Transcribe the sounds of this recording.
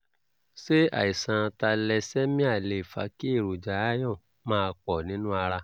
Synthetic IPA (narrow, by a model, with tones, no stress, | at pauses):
se˦a̰˨i˨sã˨˧ta˧lɛ˧sɛ˦mĩ˦a˦˨le˨i˨fa̰˨˦ki˦e˦˨ɾo˨d͡ʒa˨˦a˦jɔ̃˦˨ | mãː˧k͡pɔ˨nĩ˨˦nũ˦a˧ɾa˧